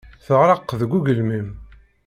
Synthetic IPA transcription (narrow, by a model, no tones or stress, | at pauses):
θəʁɾˤɑqːðɡʷːuɡəlmim